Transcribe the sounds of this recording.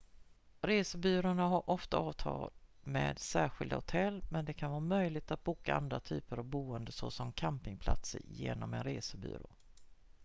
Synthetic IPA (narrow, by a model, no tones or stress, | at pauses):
ɾeːsəbyːɾʊɳaɦaɾʔɔft̪aɑːvt̪ʰɑːlmeːd̪sæːɧɪld̪a̰hʊt̪ʰɛlːmɛnd̪ɛkʰanvɑːmœjlɪɡ̚t̪at̪̚buːkaa̰nd̪ɾat̪ʰy̰ːpəɾavbuːənd̪əsɔ̰sɔmkʰampɪŋpʰla̰t̪sə̰ɾjeːnɔmɛnɾeːsəby̰ːɾo̰ː